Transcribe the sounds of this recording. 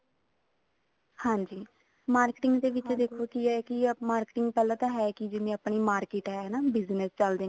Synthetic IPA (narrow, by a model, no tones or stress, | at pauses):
hãːɲd͡ʒiː | maːɾkɪʈɪŋɡd̪eːʋɪt͡ʃd̪eːkʰoːkiɛːkɪmaːɾkɪʈɪŋɡ̚pɛːlãːt̪ãːɦɛːkɪd͡ʒɪnẽːapɳiːmaːɾkeːʈɦɛːnaːbɪznəst͡ʃəld̪eː